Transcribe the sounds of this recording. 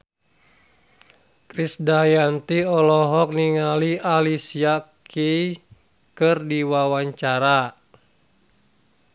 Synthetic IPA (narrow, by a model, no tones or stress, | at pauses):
kɾisdajant̪iɔlɔɦɔk̚niŋaliʔalisiakʰei | kɨrdiwawaɲt͡ʃaɾa